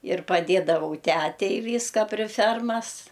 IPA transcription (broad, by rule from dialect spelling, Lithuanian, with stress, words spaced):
ɪr pɐˈdʲeːdɐʋɐʊ ˈtʲætʲɛɪ ˈʋʲiːskɐ pʲrʲɪ ˈfʲɛrmɐs